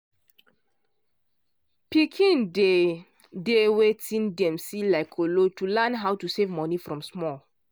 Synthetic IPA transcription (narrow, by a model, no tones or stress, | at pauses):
pikʰĩnde | dewetĩndɛ̃msilaɪkʰolotulɛnɦawtusevmɔnifɹɔ̃msmɔl